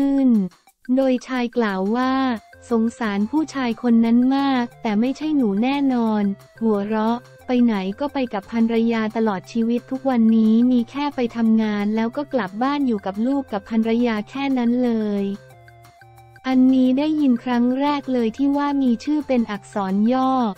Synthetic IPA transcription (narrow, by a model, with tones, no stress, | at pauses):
ɯ˥˩n | doː˧jt͡ɕʰaː˧jklaː˨˩wːaː˥˩so˩˦ŋsaː˩˦npʰuː˥˩t͡ɕʰaː˧jkʰo˧nːa˦˥nmaː˥˩k̚t̪ɛː˨˩ma˥˩jt͡ɕʰa˥˩jnuː˩˦nɛː˥˩nɔː˧n | hu˩˦ɐɾɔ˦˥ʔ | pa˧jna˩˦jkɔː˥˩pa˧jka˨˩pʰːa˧nɾa˧jaː˧t̪a˧lɔː˨˩t̪̚t͡ɕʰiː˧wi˦˥t̪ʰːu˦˥k̚wa˧nːiː˦˥miː˧kʰɛː˥˩pa˧jt̪ʰa˧mŋaː˧nlɛː˦˥wkɔː˥˩kla˨˩p̚baː˥˩njuː˨˩ka˨˩p̚luː˥˩kːa˨˩pʰːa˧nɾa˧jaː˧kʰɛː˥˩na˦˥nlɤː˧j | ʔa˧nːiː˦˥daː˥˩jːi˧nkʰɾa˦˥ŋɾɛː˥˩k̚lɤː˧jt̪ʰiː˥˩waː˥˩miː˧t͡ɕʰɯː˥˩pe˧nʔa˨˩k̚sɔː˩˦njɔː˥˩